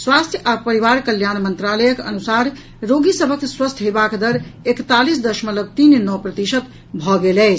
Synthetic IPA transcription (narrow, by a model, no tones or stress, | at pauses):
swast̪ʰjəʔapəɾiβaɾkəljanmənt̪ɾaləjəkə̰nusaɾ | ɾoɡisəbʱəkswəst̪ʰɦebakd̪əɾekt̪alisd̪əʃmələb̚t̪innɔpɾət̪isət̪ | bʱɔɡelɛɪt͡ʃʰ